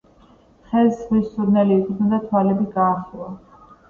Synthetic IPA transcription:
χɛsmissuɾnɛliːkʼid̪nɛnd̪at̪ʰwalɛbiɡaːχilˠa

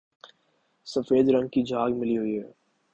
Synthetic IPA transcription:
sɐfeːd̪ɾɐ̃ŋɡ̚kid͡ʒʱaːɡmɪliɦʊiɦɛː

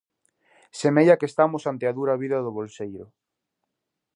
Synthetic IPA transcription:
semejɐkest̪amʊsant̪eaðuɾaβiðɐðʊβolsejɾʊ

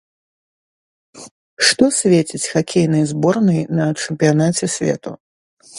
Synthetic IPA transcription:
ʂt̪ɔsʲvʲet͡sʲit͡sʲxakʲʰejnɨjzbɔrnɨjnɐt͡ʂɨmpʲijanat͡sʲɛsʲvʲɛ̰t̪u

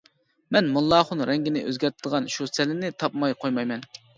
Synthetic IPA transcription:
mɛnmulˠːɑːχʊnɾɛŋɡʲɪnɪʔø̰zɡʲɛɾt̪ʰɪd̪əʁɑnʃusɛlɪnɪt̪ʰɑpmɑjqʰojmɑjmɛn

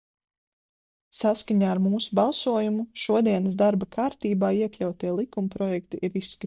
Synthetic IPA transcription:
saskaɲaːɾmuːsubɑlˠsuɔjumuʃuɔd̪iɛnəsd̪aɾbakʰaːɾt̪iːbaːiɛklʲawt̪iɛlˠikumpɾɔjɛkt̪iʔiɾisːka

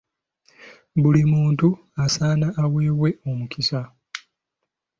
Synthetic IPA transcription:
βulimuːntu | asaːnaʔːwe̞ːβwe̞o̞mukisa

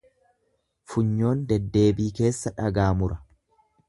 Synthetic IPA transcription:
fʊɲːo̞ːnd̪ɛd̪ːe̞ːbiːke̞ːsːɐᶑɐɡaːmʊɾɐ

